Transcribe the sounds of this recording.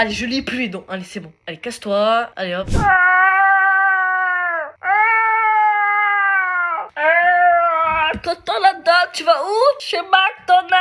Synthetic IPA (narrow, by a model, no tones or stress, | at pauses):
aleʒəliplyed̪ɔ̃ʔalesebɔ̃alekast̪waa̰leɔp | t̪ɔt̪ɔ̃lad̪at̪̚t͡ʃyvauʃemak̚t̪ɔ̃na